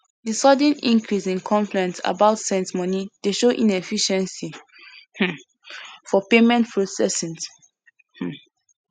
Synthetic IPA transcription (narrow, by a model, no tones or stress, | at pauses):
disɔdə̃nḭ̃ŋkʰɹisĩnkʰɔ̃ɱfɹɛ̃nsa̰baʊtsɛ̃nsmɔnideʃoʔĩnɛfiʃɛ̃nsi | h̩ | fɔpemɛ̃nt̚pʰɹosɛsĩns | h̩